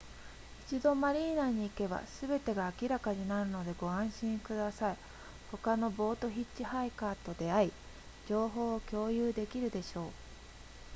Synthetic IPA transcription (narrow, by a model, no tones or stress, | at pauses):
it͡ɕid̪o̞maɾʲiːnaːɲ̟iːke̞ba̰sɨbe̞t̪e̞ɡaːkʲiɾakaɲ̟inaɾɯ̟no̞d̪e̞ɡo̞ãɰ̃ɕĩŋkɯ̟d̪asai | ho̞kano̞bo̞ːt̪o̞çitt͡ɕihaikaːt̪o̞d̪e̞ai | d͡ʑo̞ːɦo̞ːkʲo̞ːjɯːd̪e̞kʲiɾɯ̟d̪e̞ɕo̞ː